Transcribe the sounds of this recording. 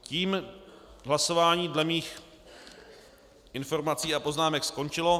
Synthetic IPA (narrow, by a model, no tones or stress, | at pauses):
ciːm | ɦlaso̞vaːɲiːdlɛmiːx | ʔɪnfo̞ɾmat͡siːapo̞znaːmɛksko̞nt͡ʃɪlo̞